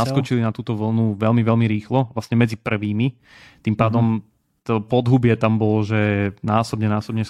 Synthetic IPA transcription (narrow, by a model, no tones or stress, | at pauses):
askɔt͡ʃilinat̪uːt̪ɔʋl̩nuʋɛlmiʋɛlmiɾiːxlɔʋlasɲɛmɛd͡zipr̩ʋiːmi | t̪impaːd̪ɔm | t̪ɔpɔd̪ɦubɪɛt̪ambɔlɔʒɛnaːsɔbɲɛnaːsɔbɲɛ